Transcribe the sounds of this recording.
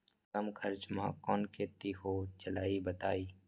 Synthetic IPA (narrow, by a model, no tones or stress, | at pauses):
kɐmkʰəɾt͡ʃmãkɔːnkʰeːt̪iɦot͡ʃəlaːibət̪aːiː